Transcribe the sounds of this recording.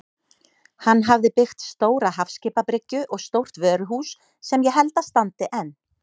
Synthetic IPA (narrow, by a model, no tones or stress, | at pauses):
hanːɦavðɪpɪxt̪st̪oːwɾaɦafscɪːpapɾɪcːʏʔɔɣst̪owr̥t̪vœːɾʏɦuːsː | ɛmjɛɦɛlt̪ast̪ant̪ɪʔɛnː